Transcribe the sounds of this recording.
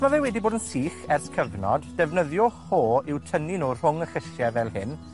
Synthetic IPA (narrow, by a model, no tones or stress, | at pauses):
mavɛwɛdiboːdənsiːχɛrθkʰəvnɔ̰dːɛvnəðjɔhoːɪwtʰəninuːr̥ʊŋəχɪʃjɛvɛlˠhɪn